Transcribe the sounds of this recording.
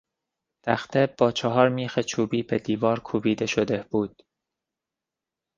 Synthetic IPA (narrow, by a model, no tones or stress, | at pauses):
t̪ʰæxt̪ebɒːt͡ʃʰɒɦɒːɾmiːxet͡ʃʰuːbiːbed̪iːvɒːɾkʰubiːd̪eʃod̪eb̥uːd̪̥